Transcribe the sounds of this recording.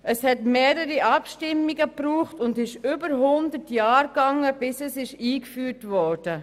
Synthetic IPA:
əshɛtmeːɾəɾiʔɑpʃtɪmːiɡəpɾuːχtʊndɪʃʏbəɾɦʊndətjɑːɾɡ̥ɑŋːəb̥ɪsəsɪʃiːkfyːɾtʋɔːɹd̥ə

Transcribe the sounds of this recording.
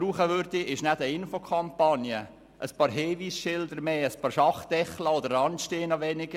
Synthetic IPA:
ɾuːχəʋøɾd̪iɪʃnæd̪əɪnfokʰɑmpɑnjə | ʔəspɑːɾɦeːʋiːsʃɪld̪əɾmeːəspɑːɾʃɑχd̪̥ɛχləod̪əɾrɑntʃteːnɑʋɛnɪɡ̥ə

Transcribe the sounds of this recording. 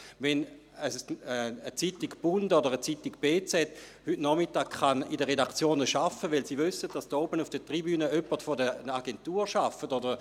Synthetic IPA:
vɛn | əsət͡sitiɡb̥undodəʁət͡sitiɡb̥eːt͡sɛt | hytnɔmitaːkχanidəʁedakt͡sjoːnəʃafəʋɪlsivysət̚d̥asdoːbənufd̥ətʁibyːnəøpətfodəaɡentuːʁʃafətodə

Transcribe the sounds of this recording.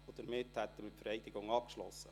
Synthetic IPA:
od̥̪əɾmɪthɛt̪ːəmɪtfəɾɛɪdɪɡʊŋɑp̚kʃlɔ̰sːə

